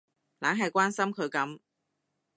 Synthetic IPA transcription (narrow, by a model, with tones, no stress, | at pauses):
laː˨˥ŋɦɐ˨jkʷwaː˥nsɐ˥mkʰɵ˨˧ɥkɐ˨˥m